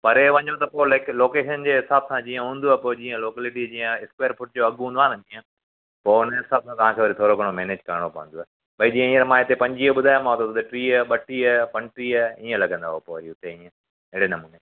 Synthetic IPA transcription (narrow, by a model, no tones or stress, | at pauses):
pɐɾeʋɐ̃ɲot̪ɐpoːlekloːkeːʃənd͡ʑeːɦɪsaːbsãd͡ʑiːə̃ɦũːnd̪uaɦpoːd͡ʑiːə̃loːkeːlɪʈid͡ʑĩːə̃ɪspaːɾpʰʊʈ̚d͡ʑoɐɠɦũːnd̪aːnd͡ʑiːə̃ | poːʊnɦɪsaːb̚sãt̪ɐʋ̤ãkʰeːʋɐɾit̪ʰoːɾoɡʱɐɽ̃omeːneːd͡ʑkɐɾəɽ̃opɐʋə̃nd̪oaːɦ | ɓɐid͡ʑiːə̃iːə̃ɾmãːɪt̪epɐ̃ɲd͡ʑiːəɓʊd̪ʱaːjãmãɦot̪ot̪ot̪ɐʈɾiːəɓɐʈiəpɐnʈɾiəĩːə̃lɐɡʱə̃nd̪aːɦopoːʋɐɾiʊt̪eĩːə̃ | ɪɦɽenɐmuːne